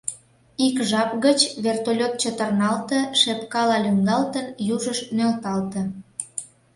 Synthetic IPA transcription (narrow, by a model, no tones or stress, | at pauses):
ikʒɑp̚ɣət͡ɕβert̪olʲot̪̚t͡ɕət̪ərnɑlt̪ə̆ʃepkɑlɑlyŋɡɑlt̪ənjuʒəʃmølt̪ɑlt̪ə̆